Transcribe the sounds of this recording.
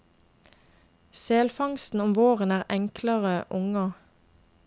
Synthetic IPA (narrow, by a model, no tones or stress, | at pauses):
seːlfɑŋst̪n̩ʊmʋoːʁənæːʁɛŋkləʁəʔʊŋə